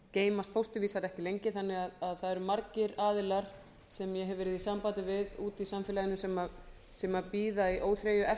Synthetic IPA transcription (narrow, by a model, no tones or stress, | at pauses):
ceːjmast̪fowst̪ʏviːsaɾɛhcɪlejɲcɪθanːɪɣaðaðθaðɛɾʏmaɾcɪɾaːðɪlaɾ̥ | sɛmjɛɦɛvɛɾɪðisampaːt̪ɪvɪðuːt̪isamfɪːlajɪnʏsɛma | sɛmapiːðaiʔoːwθɾeːjʏʔɛ